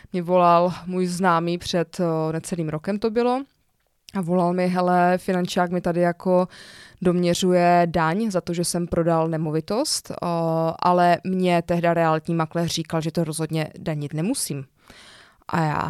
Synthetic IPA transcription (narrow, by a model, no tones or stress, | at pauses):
mɲɛvo̞lalmuːjznaːmiːpr̝̥ɛt̪nɛt͡sɛliːmɾo̞kɛmt̪o̞bɪlo̞ | ʔavo̞lalmɪɦɛlɛfɪnant͡ʃaːkmɪt̪adɪjako̞do̞mɲɛr̝ujɛdaɲzat̪o̞ʒɛsɛmpɾo̞dalnɛmovɪt̪o̞st̪ʔalɛmɲɛt̪ɛɦdaɾɛalɪt̪ɲiːmaklɛːriːkalʒɛt̪oɾozɦodɲɛ̰daɲɪt̪nɛmusiːm | ʔa̰ja̰ː